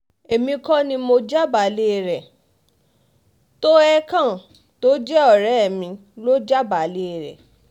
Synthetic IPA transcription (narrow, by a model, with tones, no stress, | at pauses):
e˨mĩ˧kɔ˦nĩ˧mo˧d͡ʒa˦ba˨˦le˦˧˨ɾɛ˨ | to˦ɛ˦kã˦˨ | to˦d͡ʒɛ˦ɔ˦˨ɾɛ˨˦ɛ˨mĩ˧ | lo˦d͡ʒa˦ba˨le˦˨ɾɛ̰˨